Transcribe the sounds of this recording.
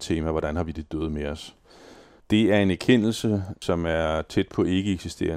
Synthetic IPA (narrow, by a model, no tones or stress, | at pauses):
t͡sʰe̝ːmæʋɒɾ̥ænhɑ̈ʋid̥e̝d̥øːð̞̩ˠmeɒ̽s | d̥e̝æɐe̝næɐkʰen̰l̩səsɒ̽mæɐt͡sʰed̥̚pʰɒ̽e̝ɡ̥əeɡ̥sisd̥e̝̰ːɐ